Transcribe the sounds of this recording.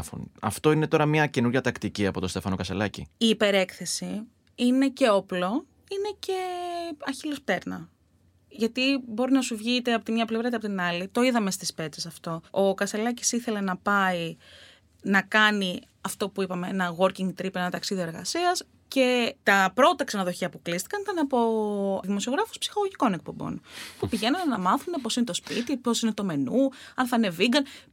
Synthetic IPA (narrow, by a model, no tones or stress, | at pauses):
fṵnɐ̰ft̪o̞ine̞t̪o̞ɾɐmɲɐce̞nuɾʝɐt̪ɐkt̪iciɐpo̞t̪ost̪e̞fɐno̞kɐst̪elɐcḭiːpe̞ɾe̞kθe̞si | ine̞ce̞oplo̞ | ine̞ce̞ɐçilospt̪e̞ɾnɐ̰ | ʝɐt̪ibo̞ɾinɐsuvʝit̪eɐpo̞t̪imɲɐplevɾɐt̪eɐpo̞t̪inɐlit̪o̞iðɐme̞st̪ispe̞t͡sesɐft̪o̞okɐst̪e̞lɐci̥siθe̞le̞nɐpɐi | nɐkɐni | ɐft̪o̞puipɐmeenɐɣo̞ɾciŋɡt̪ɾipeenɐt̪ɐksiðioɾɣɐ̰siɐs | ce̞t̪ɐpɾo̞t̪ɐksɐnɐðo̞çiɐpuklist̪i̥kɐnit̪ɐnɐpo̞ðimo̞sio̞ɣɾɐfu̥spsi̥xoɣoʝiko̞ne̞k̚pobo̞̰npupiʝe̞nɐnnɐmɐθune̞p̬o̞sine̞t̪o̞spit̪ipo̞sine̞t̪o̞me̞nuɐnθɐine̞viɡɐn